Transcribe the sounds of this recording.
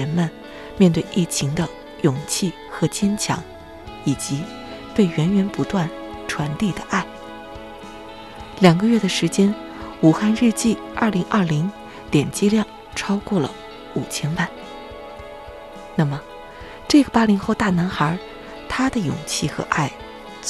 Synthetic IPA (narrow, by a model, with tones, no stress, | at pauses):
ə˧˥nmə˧n | mʲjɛ˥˧nt̪we˥˧ɪʔi˥˩t͡ɕʰi˧˥ŋd̪ə˧ | jʊ˨˩ŋt͡ɕʰi˥˩ | xɤ˧˥t͡ɕjɛ˥nt͡ɕʰjɑ̰˧˥ŋ | i˨˩t͡ɕi˧˥ | t̪we˥˩ɪɥɛ˧˥nɥɛ˧˥npu˧˥t̪wa˥˩nʈ͡ʂʰwa˧˥nt̪i˥˩d̪ə˩ʔa˥˩ɪ | ljɑ˨˩ŋɡə˦ɥɛ˥˩d̪ə˩ʂɻ̩˧˥t͡ɕjɛ˥n | u˨˩xa˥˧nɻɛ˥˧t͡ɕi˥˩ | ɐ˥˩li˧˥ŋʔɐ˞˥˩li˧˥ŋ | ljɛ˨˩nt͡ɕi˥ljɑ˥˩ŋ | ʈ͡ʂʰɑ˥ʊkwɔ˥˩lə̰˩ | u˨˩t͡ɕʰjɛ˥npa˥˩n | na˥˩mə˩ | ʈ͡ʂɤ˥˩ɡə˩pa˥li˧˥ŋxo˥˧ʊt̪a˥˩na˧˥nxə˞˧˥ | t̪ʰa˥d̪ə˨jʊ̰˨˩ŋt͡ɕʰi˥˩xɤ̰˧˥ʔa˥˩ɪ